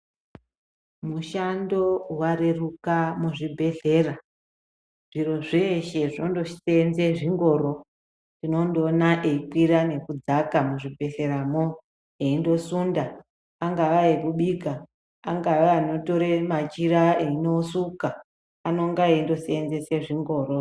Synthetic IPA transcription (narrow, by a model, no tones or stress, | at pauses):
muʃando̞waɾerukamuʐibʱe̞ɮe̞ːra | ʐiro̞ʐeːʃe̞ʐinondoʂi̥seːnzeʐiŋɡo̞ɾo̞ | ndino̞ndonaʔeikwiɾane̞kud͡zakamuʐibʱe̞ɬe̞ɾamo | eindo̞sundaː | ŋɡaʋaekuɓiɡʱaː | ŋɡaʋaano̞to̞ɾemat͡ʃiɾaeinosuka | ano̞ŋɡaendo̞seːnze̞se̞ʐiŋɡo̞ːɾo